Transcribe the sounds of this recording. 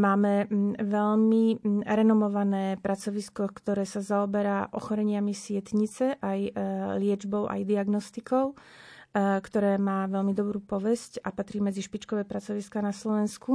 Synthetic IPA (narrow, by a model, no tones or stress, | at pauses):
maːmɛʋɛʎmiɾɛnɔmɔʋanɛːpɾat͡sɔʋiskɔkt̪ɔɾɛːsazaɔbɛɾaʔɔ̰xɔɾɛɲɪamisɪɛt̪ɲit͡sɛʔajlɪɛd͡ʒbɔʊʔa̰jd̪iaɡnɔst̪ikɔʊ | kt̪ɔɾɛːmaːʋɛlmid̪ɔbɾuːpɔʋɛscapat̪ɾiːmɛd͡ziʃpit͡ʃkɔʋɛːpɾat͡sɔʋiskanaslɔʋɛnsku